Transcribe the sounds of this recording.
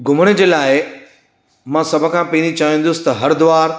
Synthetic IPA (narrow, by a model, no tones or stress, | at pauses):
ɡʱʊməɽ̃ə̆d͡ʑeːlaːɪ | mãsɐbʱʊ̆kʰãːpeːñit͡ɕaːĩn̆d̪ʊsɪ̥̆t̪ɐɦɐɾd̪ʊʋaːɾ